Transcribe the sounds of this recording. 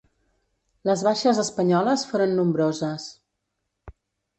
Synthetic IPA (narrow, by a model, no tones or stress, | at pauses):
ləzβaʃəzəspəɲɔləsfoɾənːumbɾozəs